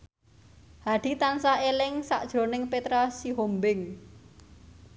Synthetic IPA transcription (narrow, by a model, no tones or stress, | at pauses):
haɖ̪̥i̤t̪ansaelɪŋsa̰ʔd̥ʒ̥ɾo̤nɪŋpet̪ɾasiɦombɪŋ